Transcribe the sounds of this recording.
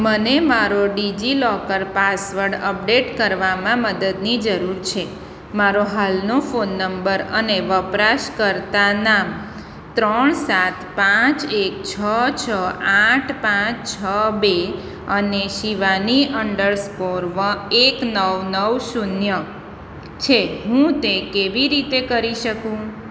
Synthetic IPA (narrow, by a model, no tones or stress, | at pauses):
mənemaɾoɖid͡ʒilɔkəɾpasʋəɾɖəp̚ɖeʈkəɾʋamãməd̪əd̪nid͡ʒəɾuɾt͡ʃʰe | maɾoɦalnofonːəmbəɾəneʋəpɾaʃkəɾt̪anam | t̪ɾəɳsat̪pãt͡ʃek̚t͡ʃʰət͡ʃʰəaʈʰpãt͡ʃt͡ʃʰəbe | əneʃiʋaniəɳɖəɭspoɾʋəeknəʋnəʋʃunjə | t͡ʃʰeɦũt̪ekeʋiɾit̪ekəɾiʃəkũ